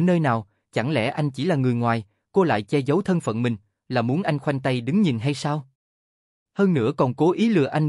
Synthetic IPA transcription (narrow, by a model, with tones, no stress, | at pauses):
nəː˧jnaː˨˩w | t͡ɕa˧˩ŋlɛ̰˧˩ʔa˧jŋ̟t͡ɕi˧˩laː˨˩ŋɨ˨˩əjŋwaː˨˩j | ko˧la̰ː˧˨jt͡ɕɛ˧zə˨˦wt̪ʰə˧nfə̰˧˨nmï˨˩ŋ̟ | laː˨˩mu˨˦nʔa˧jŋ̟xwa˧jŋ̟t̪ə˧jɗɨ˨˦ŋɲi˨˩nɦa˧jsaː˧w | həː˧nnɨ̰˧˥əkɔ˨˩nko˨˦ʔi˨˦lɨ̰˧˨əʔa˧ŋ